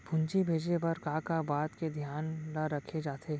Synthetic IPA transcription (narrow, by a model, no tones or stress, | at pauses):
bʱʊ̃ɲt͡ʃibʱeːd͡ʒnepɐɾkaːkabaːt̪ked̪ʱjaːnlaɾɐkʰed͡ʒaːt̪ʰeː